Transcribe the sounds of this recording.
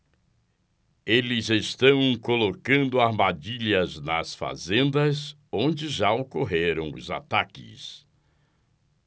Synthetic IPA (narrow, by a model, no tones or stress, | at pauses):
elɪzest̪ɐ̃w̃kolokɐ̃nd̪ʊaɾmad͡ʒiʎɐznɐsfa̰zẽnd̪ɐz | õd͡ʒɪʒaokoɦeɾɐ̃w̃ʊ̰za̰t̪akɪ̰s